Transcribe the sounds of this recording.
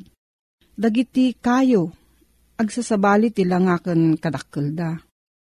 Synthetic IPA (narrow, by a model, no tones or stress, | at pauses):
d̪ɐɡit̪ikaːjo | ɐɡsasɐbaːlɪt̪ɪlaŋaːkənkɐd̪ɐkːɯld̪a